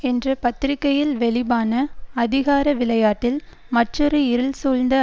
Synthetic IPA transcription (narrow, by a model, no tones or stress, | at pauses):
ɛndrɐpɐt̪ːɾɪkːɐjɪlʋɛɭɪbaːnɐɐðɪɣaːɾɐʋɪlɐjaːʈːɪl | mɐʈːrɔɾɯɪɾɯlsoːɻnd̪ɐ